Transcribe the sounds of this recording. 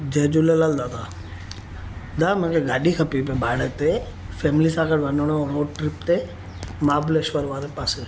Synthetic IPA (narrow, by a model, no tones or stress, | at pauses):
d͡ʒeːd͡ʒulelald̪aːt̪ʰaː | d̪amɛ̃keɡaːɗikʰəpipebʱaːɽet̪e | fʰɛːmlisaːkəɾʋanoñõɾoːɖʈɾɪp̚t̪e | maːbleʃʋəɾʋaːɾepaːse